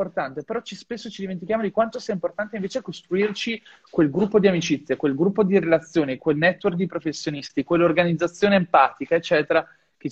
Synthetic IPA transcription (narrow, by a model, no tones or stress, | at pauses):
ort̪ant̪epeɾɔt͡ʃispesːot͡ʃid̪iment̪̬ikjaːmod̪ikwant̪osiːaimport̪ant̪eiɱveːt͡ʃekost̪ɾuirt͡ʃi | kwelɡɾupːod̪iamit͡ʃit̪sːjekwelɡɾupːod̪iɾelat̪sːjoːnikwelnɛt̪ːwerk̚d̪ipɾofesːjonist̪ikwelːorɡanid̪zːat̪sːjoːneːmpaːt̪ikaet͡ʃːɛːt̪eɾa | ke